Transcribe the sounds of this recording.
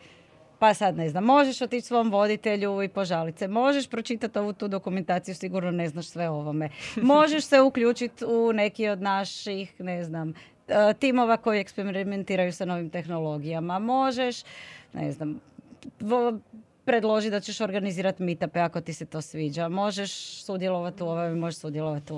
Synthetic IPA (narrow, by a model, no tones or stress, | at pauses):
pasad̪ne̞znamːoʒeʃot̪it͡ʃsʋo̞jomʋo̞d̪it̪e̞ʎuipo̞ʒalit̪semo̞ʒeʃpɾo̞t͡ʃit̪at̪o̞ʋut̪uːd̪o̞kume̞nt̪aːt̪sijusiɡuɾnone̞znaʃsʋe̞o̞ʋo̞me̞mo̞ʒe̞ʃse̞ukʎuːt͡ʃit̪une̞kio̞d̪naʃixne̞znam | t̪imo̞ʋako̞jiekspeɾiment̪iːɾajuseno̞ʋimt̪e̞xno̞lo̞ɡijamamo̞ʒeʃnḛznam | pɾed̪lˠo̞ʒit̪d̪at͡ɕeʃo̞ɾɡaniziːɾat̪mit̪apeako̞t̪ise̞t̪o̞ːsʋiːd͡ʑamo̞ʒeʃsud̪jelˠo̞ʋat̪uoʋomemoʒeʃsud̪jelˠoʋat̪u